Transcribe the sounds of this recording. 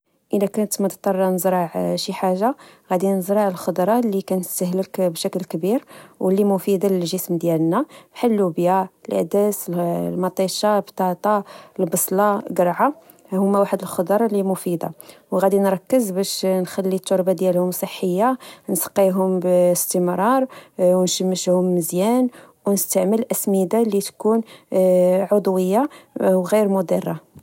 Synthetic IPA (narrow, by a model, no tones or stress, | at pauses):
ʔəlækænət̪mət̪t̪ˤːɑrˤːɑnəzɾˤɑʕʃiħaʒːaɣæd̪inəzɾɑʕəlxʊd̪ɾˤɑlːikænəst̪əɦləkbʃækəlkbiɾwəlːimʊfid̪aləlʒəsmd̪jælnæbħalːubjaəlʔæ̰d̪æsllmɑt̪ˤiʃɑbt̪ɑt̪ˤɑəlbɑsˤlɑɡəɾˤʕa | hʊmːæwaħəd̪əlxʊd̪ɑɾˤɑlimʊfid̪a̰wɣæd̪inɾˤɑkːəzbæʃnxælːit̪ːʊɾˤbad̪jælhʊmsˤəħːəjːansqːiɦʊmbəst̪əmɾˤɑɾˤwnʃəmːəʃhʊmːəzjæn | wnəst̪aʕməlʔæsmid̪alit̪kun | ʕod̪ˤwəjːawɣiɾmʊd̪irˤːa